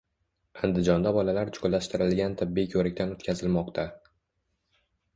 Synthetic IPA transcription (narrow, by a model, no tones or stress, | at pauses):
and̪ɪd͡ʒɒnd̪abɒlalaɾt͡ʃʰolːaʃt̪ɪɾɪlɡʲant̪ʰɪbːijkʲʰɵɾɪk̚ʲt̪anot̪kʲʰazɪlmɒqt̪ʰa